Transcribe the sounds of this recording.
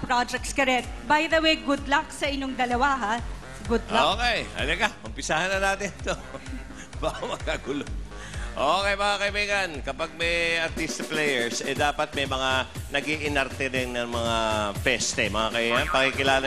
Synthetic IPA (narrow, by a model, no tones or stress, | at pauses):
pɾad͡ʒɛk̚t̪skɐɾɛt̪̚bajd̪ɐwejɡʊd̪lɐksɐʔɪɲoŋd̪ɐlɐwaɦa | ɡʊd̪loːkɛjɐ̰lɐɡaʊmpɪsahanːɐnaːt̪ɪnt̪o | bawɐɡ̚kaɡʊlo | ʔoːkɛjmɐŋakɐʔɪbiːɡɐnkɐpaɡ̚mɐjʔɐɾt̪ist̪plɛjɛɹsɛd̪aːpɐt̪̚mɐjmɐŋanɐɡiʔɪnɐɾt̪ɛd̪ɛŋnɐŋmɐŋafɛst̪ɛmɐŋakɐiɡɐnpɐkikɪlaːlɐ